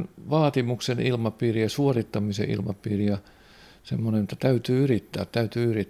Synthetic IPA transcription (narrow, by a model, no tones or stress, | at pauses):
nʋɑːt̪imuksenilmɑpiːrijɑsuorit̪ːɑmisḛʔḭlmɑ̰piːrijɑ | semːonenjot̪ːɑt̪æyt̪yːyrit̪ːæ̰ːt̪t̪æyt̪yːyrit̪ː